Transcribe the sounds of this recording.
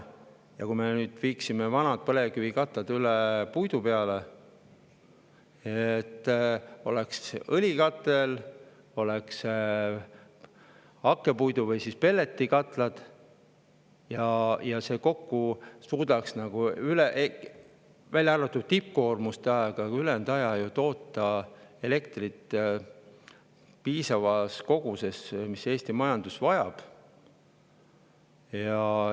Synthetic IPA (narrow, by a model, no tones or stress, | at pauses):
jɑ̰kujme̞nyːd̪̥viːksimevɑnɑd̪̥̚pɤle̞kyvikɑt̪lɑd̪ylepujd̪upe̞ɑle | et̪ːo̞̰leksɤlʲikɑt̪ːˑe̞l | o̞leks | ɑkːe̞pujd̪̥uvɤjsispe̞lːe̞t̪ːikɑt̪ˑlɑd̪̥ | jɑjɑse̞ːko̞kːusuːd̪ɑksnɑɡ̥uyleʔ | vælʲːɑrvɑt̪ːˑud̪̥̚t̪ip̚ko̞ːrmust̪eɑeɡ̥ɑylend̪ɑjɑjut̪o̞ːt̪ːˑɑe̞le̞kt̪rit̪ːˑ | piːsɑvɑsko̞ɡ̥use̞smise̞ːst̪imɑjɑnd̪̥usvɑjɑ̰b̥ | jɑ